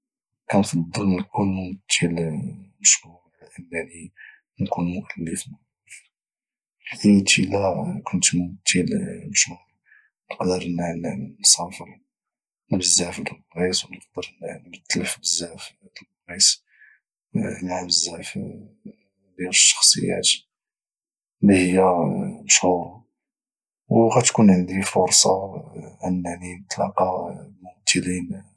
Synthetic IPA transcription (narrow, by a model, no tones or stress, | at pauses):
kænfɑd̪ˤːələnkʊlmʊmət̪ʰːilməʃu | ʔəmːæni | nkunmʊʔəlːəfn | d̪imət̪ilækʊnt̪mʊmt̪ʰːilmʃu | nəqd̪əɾnnnsɑfəɾ | nəbəzːæfd̪əlbɣiswnəq̚d̪əɾnnmət̪ːəlfbəzːæf | d̪əlbɣis | maʕbəzːæf | d̪iɾəʃːɑ̥xsˤə̰jːæ̰t̪ | lihəjːæʃuɾ | wɣæt̪kunʕənd̪ifʊɾsˤɑʕanːʕnit̪lɑ̰qɑmʊmt̪ʰːəlin